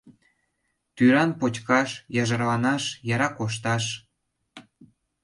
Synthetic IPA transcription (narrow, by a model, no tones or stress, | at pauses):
t̪yɾɑnpot͡ɕkɑʃjɑʒɑrlɑnɑʃjɑɾɑkoʃ̬t̪ɑʃ